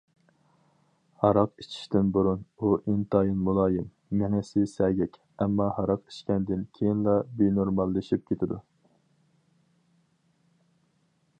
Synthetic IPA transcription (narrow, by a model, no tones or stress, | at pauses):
hɑɾɑqit͡ʃʰi̥ʃt̪ɪnbuɾunuʔint̪ʰɑːjinmulˠɑːjɪmː | ɪŋɛsɪsɛɡʲɛkʲ | ɛmːɑhɑɾɑqi̥ʃkʲɛnd̪ɪnkʲʰejinlˠɑbenoɾmɑlˠːɨʃip̚kʲʰet̪ʰɪd̪ṵ